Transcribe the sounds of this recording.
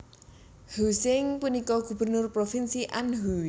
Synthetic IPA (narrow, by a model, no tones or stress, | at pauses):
husɪŋpunikɔɡ̥ṳbə̤rnʊrpɾofinsiʔanɦu